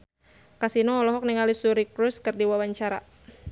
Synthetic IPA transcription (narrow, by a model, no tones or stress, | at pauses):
kasinɔːlɔɦɔk̚niŋalisuɾikɾuskɨrdiwawaɲt͡ʃaɾa̰